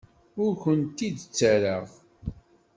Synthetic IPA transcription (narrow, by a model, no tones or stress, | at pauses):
ʊɾkənt̪id̪t͡sːəɾəʁ